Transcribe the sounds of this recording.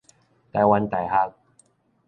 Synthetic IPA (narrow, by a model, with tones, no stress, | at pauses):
t̪a˨˧˩wa˧nt̪a˨˩jɦaː˦˥k̚